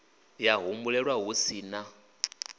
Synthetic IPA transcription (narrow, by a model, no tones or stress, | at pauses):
jaɦumbulɛɺwaɦusiːna